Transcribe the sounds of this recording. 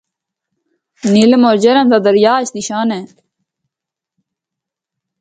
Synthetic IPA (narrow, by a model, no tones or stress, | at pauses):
nilmoːɾd͡ʒəɾãnd̪aːd̪əɾjaːt͡ʃniʃaːnɛː